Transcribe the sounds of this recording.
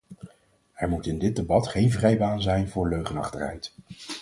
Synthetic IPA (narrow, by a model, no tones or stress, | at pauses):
ɛɹmutɪndɪd̚debɑtχejnvrɛjbaːnzɛjnvʊːɹløɥχənɑ̰χtərɦɛ̰jt